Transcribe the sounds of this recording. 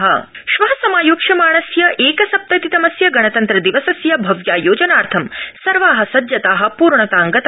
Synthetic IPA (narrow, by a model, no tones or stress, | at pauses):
ɦɐ̰ | ʃʋɐɦɐsɐmaːjoːkʂɐmaːɳ̃ɐsjɐʔeːkɐsɐp̚t̪ɐt̪it̪ɐmɐsjɐɡɐɳɐt̪ɐnt̪ɾɐd̪iʋɐsɐsjɐbʱɐʋjaːjoːd͡ʒɐnaːɾt̪ʰɐmsɐɾʋaːɦɐ̆sɐd̪jɐt̪aːɦɐ̆puːɾɳɐt̪aːŋɡɐt̪